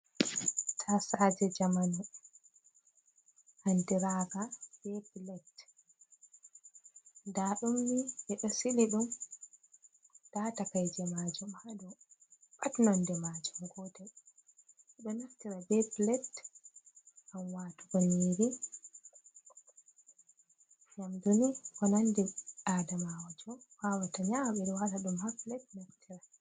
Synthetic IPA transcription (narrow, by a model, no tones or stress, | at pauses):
tʰasad͡ʒɛd͡ʒamanu | handiɾaːɡab̥ɛblɛt | ndaɗumːiʔɛɗɔsiliɗum | d̥atakajd͡ʒɛmaːd͡ʒumhaɗɔɓatnandɛmad͡ʒumɡɔtɛ | ɗɔnaftiɾabɛplɛt | ʔamwaːtuɡaniɾi | jamdunikɔnandɛadamawad͡ʒɔwawataɲamaɓɛɗɔwataɗumhaflɛtnaftʰiɾa